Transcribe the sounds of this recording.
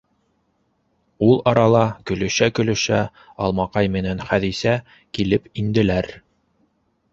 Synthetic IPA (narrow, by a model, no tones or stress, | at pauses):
ulˠɑɾɑlˠɑkɵ̆lɵ̆ʃækɵ̆lɵ̆ʃæ | ɑlˠmɑqɑjmɘ̆nænχæðisæ | kilɘpind̪ɘ̆læɾ